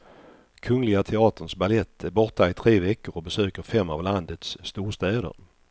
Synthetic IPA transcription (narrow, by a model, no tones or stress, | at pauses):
kʰɵŋlɪɡat̪ʰɛɑːt̪əɳʂbalɛt̪ʰːæɾbɔʈ̪aɪt̪ʰɾeːvɛkːəɾɔbɛsøːkəɾfɛmːavland̪ət̪sːt̪uːʂt̪ɛːd̪ə̰ɾ